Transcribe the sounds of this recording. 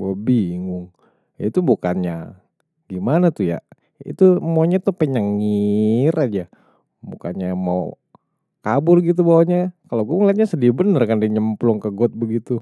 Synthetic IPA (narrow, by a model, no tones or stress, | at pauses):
baabiŋʊŋ | jait̪ubukanɲa | ɡimanat̪uja̰ | ḭt̪umoɲat̪upəɲaŋːirʔad͡ʒa | bṵka̰nɲamaw | kabʊrɡit̪̬ubawaɲakalaɡuamuliat̪̚ɲasədibənərkandiɲəmplɔŋkəɡɔt̪̚bəɡit̪u